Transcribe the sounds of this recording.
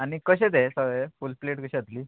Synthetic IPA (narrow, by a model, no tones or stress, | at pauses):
anikəɕet̪esəʋefulpleʈkəɕeət̪liː